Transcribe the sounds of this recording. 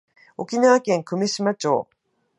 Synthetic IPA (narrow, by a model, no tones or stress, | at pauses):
o̞kʲinaβakẽ̞ŋkɯ̟meɕimat͡ɕo̞̰ː